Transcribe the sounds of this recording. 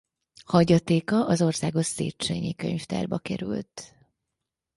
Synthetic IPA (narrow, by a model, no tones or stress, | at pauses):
hɒɟɒt̪eːkɒʔɒzo̞rsaːɡo̞ʃseːtt͡ʃḛɲikøɲft̪ɛ̰rbɒkɛɾylt̪